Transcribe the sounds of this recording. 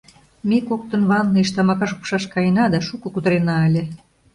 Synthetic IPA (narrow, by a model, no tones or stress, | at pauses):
mekok̚t̪ə̆nβɑnːɤiʃt̪ɑmɑkɑʃopʃɑʃkɑjənɑd̪ɑʃukŏkud̪əɾenɑəlʲĕ